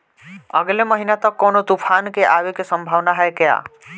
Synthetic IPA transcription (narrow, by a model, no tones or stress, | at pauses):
ə̰ɡleməɦinat̪əkːɔnot̪upʰankeʔaʋekesə̃mbʱaʋnaɦɛekeja̰